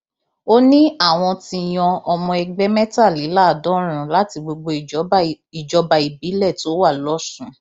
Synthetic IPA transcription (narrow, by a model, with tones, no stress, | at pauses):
o˦nĩ˦a˦˨w̃ɔ̃˧tĩ˧j̃ɔ̃˧ɔ˧mɔ̃˧ɛ˧ɡ͡bɛ˦mɛ˦ta˦˨li˨˦la˦˨dɔ̃˨˦ɾ̃ũ˧la˨˦ti˧ɡ͡bo˧ɡ͡bo˧˨˦ | i˨d͡ʒɔ˨˧˦ba˧i˨bi˨˦lɛ˦˨to˨˦wa˦˨lɔ˦sũ˦˨